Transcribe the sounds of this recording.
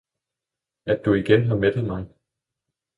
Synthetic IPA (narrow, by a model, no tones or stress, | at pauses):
æd̥uiɡ̥enɦɑ̈med̥ð̩ˠmɑ̈ɪ